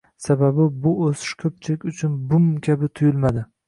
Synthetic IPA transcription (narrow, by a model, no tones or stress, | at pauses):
sababɪbʊosɪ̥ʃkʰɵp̚t͡ʃʰɪlɪkʲʊt͡ʃʰʊnbʊmkʲʰabɪt̪ʰʊjʊlˠmad̪ɪ